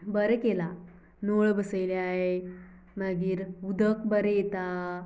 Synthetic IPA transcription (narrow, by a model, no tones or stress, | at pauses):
bəɾkela | noɭbəsəjljaɦe | məɡiːɾud̪ʱəkbəɾjet̪a